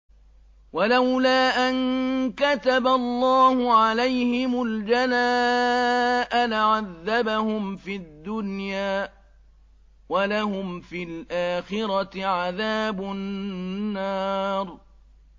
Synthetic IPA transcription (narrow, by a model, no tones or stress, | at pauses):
walawlaːʔankat̪abalˤːɑːhʊʕalajhɪmʊld͡ʒanaː | ʔalaʕaðːabahʊmfid̪ːʊnjaː | walahʊmfilʔaːxɪɾɑʕaðaːbʊː | ɑːɾˤ